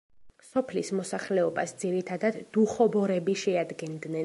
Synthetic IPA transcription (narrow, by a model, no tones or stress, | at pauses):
sɔpʰlismɔsaχlɛɔbasd̪ziɾit̪ʰad̪ad̪ːuχɔbɔɾɛbiʃɛad̪ɡɛnd̪nɛ